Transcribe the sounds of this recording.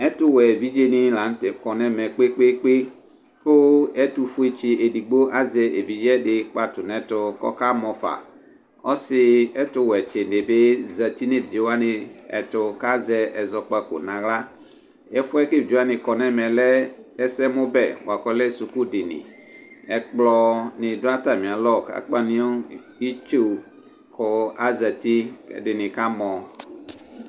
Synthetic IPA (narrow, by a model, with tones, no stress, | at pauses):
ɛ˦tʊ˦wɛ˨vi˦d͡ʒe˦nɪ˦la˨n˦tɛ˨kɔ˨nɛ˦mɛ˨k͡pe˦k͡pe˦k͡pe˦ | pʊ˦ɛ˦tu˨fu˦e˦˨t͡ʃɪ˨e˨di˨ɡ͡bo˦ʔa˦zɛ˨ʔe˨vi˨d͡ʒɛ˦dɪ˦k͡pa˨tʊ˨nɛ̃˨tʊ˨kɔ̰˦ka˦mɔ̃˨fa̰˨ | ɔ̰˦sɪ˦ɛ˦tʊ˦wɛ˨t͡ʃɪ˨n˨dɪ˨be˦za˨ti˦ne˦vd͡ʒe˨wa˦nɪ˨ɛ̰˨tʊ˨ka˦zɛ˨ɛ˨zɔ˨k͡pa˦ko̰˨nã˨ɣla˦ | ɛ˦fu˦ɛ˦ke˦˨d͡ʒi˦a˦nĩ˨kɔ˨nɛ̃˦mɛ̃˨lɛ˦ɛ˦sɛ˦mõ˦bɛ˨wo˨a˨kɔ˦lɛ˦su˨ku˦dɪ˨nḭ̃˨ | ɛ˨k͡plɔ˦nɪ̃˨do˦a˦t̪a˨mĩ˨a˨lɔ˦˨ka̰˨k͡pa˨nĩ˦o˦ | i˦t͡ʃu˦˨ | kʰɔ˨a˦zɛ˨t̪i˦ɛ̰˨ɖɪ˨nɪ̃˨ka˦mɔ̃˨